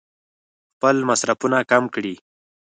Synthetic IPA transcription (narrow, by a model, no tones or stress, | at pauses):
xpəlmasɾafunakamkɽi